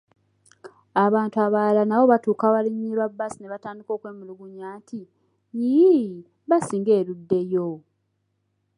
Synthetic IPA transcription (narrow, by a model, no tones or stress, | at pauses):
aβaːntuaβalanaβo̞βatuːkaβaliɲːiɾwabːasineβataːndiko̞ːkwe̞ːmiluɡuɲaːtʰi | ji | βasiːŋɡe̞ːɾudːe̞jo